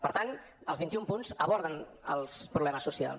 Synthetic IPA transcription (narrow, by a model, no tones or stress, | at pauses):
pəɾt̪an | əlˠβint̪iumpunzəβɔɾðənəlˠspɾuβlɛməsːusia̰lˠ